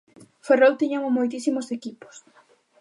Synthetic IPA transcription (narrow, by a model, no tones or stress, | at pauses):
ferowt̪iɲammːojt̪isimosekipo̥s